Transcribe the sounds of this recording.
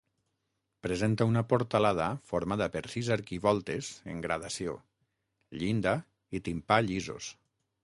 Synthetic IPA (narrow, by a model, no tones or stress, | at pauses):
pɾezent̪aunapoɾt̪alað̞afoɾmaðapeɾsizaɾkiβɔlˠt̪ezḛŋɡɾað̞asio̰ | ʎind̪a | it̪impaʎizo̰s